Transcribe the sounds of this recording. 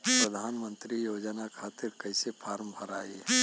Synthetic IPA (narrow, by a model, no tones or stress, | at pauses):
pɾəd̪ʱaːnmə̃nt̪ɾijoːd͡ʒnakʰaːt̪ɪɾkɐɪsepʰaːɾmbʱəɾaːe